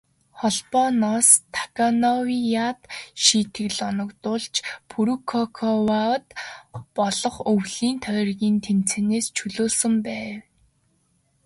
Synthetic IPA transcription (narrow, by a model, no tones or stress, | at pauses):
χɔɮpɔnɔst̪ʰḁkanɔwijat̪ʃiːt̪ʰɘ̆ɣɮɔnɞ̆kt̪ʊːɮt͡ɕpʰuɾukʰɔkʰɔwawt̪pɔɮɞ̆χɵwɮiːnt̪ʰœːrɣʲiːnt̪ʰem̥t͡seneːst͡ɕʰɵɮoːsɵ̆mpæːww